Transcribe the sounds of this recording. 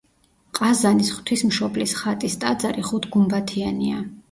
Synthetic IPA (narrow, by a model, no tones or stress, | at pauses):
qʼazanisχwt̪ʰismʃɔblisχat̪ʼist̪ʼad̪zaɾiχut̪ʰɡumbat̪ʰiania